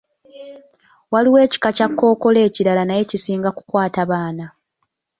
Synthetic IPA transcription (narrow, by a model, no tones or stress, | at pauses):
waliwe̞ːci̥kacakːo̞ːko̞le̞ːciɾalanaje̞cisiːŋɡaku̥kwaːtaβaːna